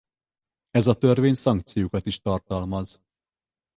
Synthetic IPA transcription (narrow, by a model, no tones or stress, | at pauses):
ɛzɒt̪ørveːɲsɒŋk̚t̪sijukɒt̪iʃt̪ɒrt̪ɒlmɒz